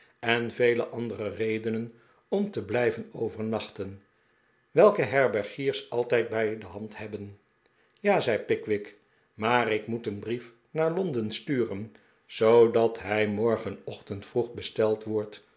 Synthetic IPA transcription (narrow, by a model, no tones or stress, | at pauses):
ɛnvejləʔɑndərərejdənən | ɔmtəblɛjvənowvəɹnɑχtən | ʋɛlˠkəɦɛɹbɛɹχiːɹsɑlˠtɛjt̚bɛjdəɦɑnthɛbən | jaːzɛjpɪkʋɪk | maːrɪkmutənbrif | naːɹlɔndənstyːrən | z̥owdɑtɦɛjmɔɹχənɔχtəntfruχbəstɛlˠtʋɔɹt